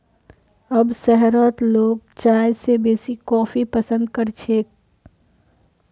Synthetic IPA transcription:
əbsɛɦɾoːt̪loːɡ̚t͡ʃaːjsebeːsikɔ̃ːpʰipəsə̃nd̪̚kəɾt͡ʃʰeːk̚

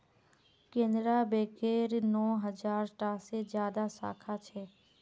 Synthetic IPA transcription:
kẽːnd̪ɾaːbeːkeːɾnɔːɦəd͡ʒaːɾʈaːsed͡ʒjaːd̪aːsa̰ːkʰaːt͡ʃʰeː

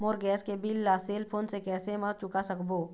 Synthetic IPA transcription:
moːɾɡɛːskebilːaːseːlpʰoːnsekɛːsemãt͡ʃʊkasɐkboː

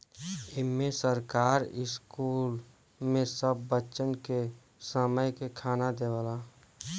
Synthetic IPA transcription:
ɪmmẽsəɾkaːɾɪskuːl | mẽsəbːətːt͡ʃənke | səməjkekʰaːnad̪eʋəlaː

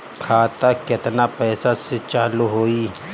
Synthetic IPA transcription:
kʰaːt̪akɪt̪napɛːsaset͡ʃaːluɦoːi

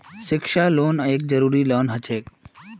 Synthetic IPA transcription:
ʃɪkʃaloːnəeːk̚d͡ʒəɾuːɾiːloːnɦət͡ʃʰeːk

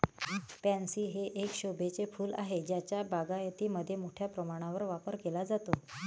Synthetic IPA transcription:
pɛ̃nsiːɦeʔekɕobʱet͡sefuːla̰ɦed͡ʑjat͡ɕjabaɡajət̪iːməd̪ʱːjemoʈʰjapɾəmaɽ̃ãʋəɾʋapəɾkelad͡zat̪o

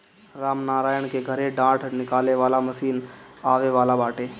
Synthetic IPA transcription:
ɾaːmnaːɾaːjəɽ̃keɡʱəɾeɖãːʈʰnɪkaːleʋaːlaməsiːnaːʋeʋaːlabaːʈeː

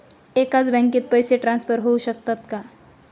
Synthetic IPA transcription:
ekat͡sbɛ̃ŋkit̪̚pəjseʈɾãnsfʰəɾɦouɕək̚t̪at̪ka

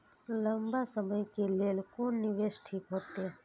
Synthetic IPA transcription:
ləmbasəməjkelelkonniʋeʃʈʰikɦot̪e

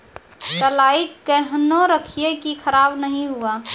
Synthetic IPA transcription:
təlaːiəɦnoɾəkʰijekikʰəɾaːbnəɦĩɦua

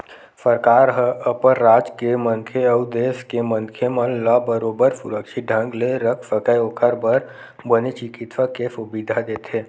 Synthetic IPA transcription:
səɾkaːɾɦəpəɾːaːd͡ʒkemə̃ŋkʰeəʊd̪eːskemə̃ŋkʰemə̃nlabəɾoːbəɾsʊ̰ɾəkʃiɖʱə̃ŋɡleɾəkʰfəkəjoːkʰəɾbəɾ | bənet͡ʃɪkɪt̪ʋakesʊbid̪ʱad̪eːt̪ʰe

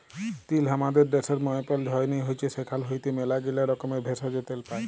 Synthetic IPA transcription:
t̪ilɦamad̪eɾɖeseɾmɔjɔpɔld͡ʒʱɔjnijɦojt͡ʃʰesekʰalɦojt̪emelaɡilaɾɔkɔmebʱesɔd͡ʒet̪elpae

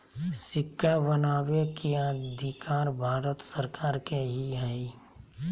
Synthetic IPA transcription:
sɪkʰːabənaːwekiad̪ʱikaːɾbʱaːɾət̪səɾkaːɾkeɦiɦai

